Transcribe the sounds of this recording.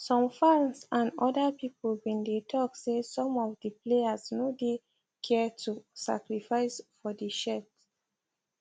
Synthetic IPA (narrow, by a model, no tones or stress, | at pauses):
sɔ̃mfãnsãnɔdapiplwĩndetʰɔksesɔ̃mɔvdipleasnode | kʰɛtʰusa̰kɹifaɪsfɔdiʃɛt